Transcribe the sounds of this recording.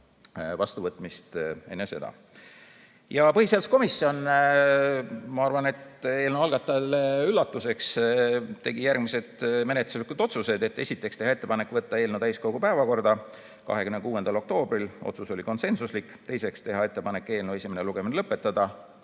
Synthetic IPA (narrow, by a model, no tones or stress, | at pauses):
vɑst̪uvɤt̪ˑmist̪enːese̞̰d̪ɑ̰ | jɑpɤhiselsko̞misːio̞n | mɑɑrvɑne̞t̪e̞ːlnuɑlɡ̥ɑt̪ːˑɑleylːɑt̪ːˑuse̞kst̪e̞ɡ̥ijærɡ̥mise̞d̪̥me̞net̪luslikːud̪o̞t̪suse̞d̪̥e̞t̪ːe̞sit̪ˑːe̞kst̪e̞ɦɑe̞t̪ːe̞pɑne̞kːˑvɤt̪ːɑe̞ːlnud̪æjskoɡ̥upæevɑko̞rd̪ɑ | kɑ̰ɦe̞kymnekuːe̞nd̪ɑlo̞k̚t̪o̞ːb̥ɾilʔo̰t̪suso̞lʲiko̞nse̞nsuslikːt̪e̞jse̞kst̪e̞ɦɑe̞t̪ːe̞pɑne̞kːˑe̞ːlnue̞sʲimeneluɡ̥e̞minelɤpːˑe̞t̪ːɑd̪̥ɑ